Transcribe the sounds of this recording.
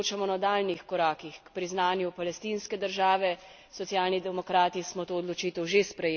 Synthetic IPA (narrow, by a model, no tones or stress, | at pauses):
t͡ʃamɔnɔd̪aːlnixkɔɾaːkixkpɾiznaːnjupalɛst̪inskɛd̪əɾʒaːʋɛ | sɔt̪sjaːlnid̪ɛmɔkɾaːt̪ismɔt̪oːd̪lɔt͡ʃiːt̪ɛwʒespɾɛjeː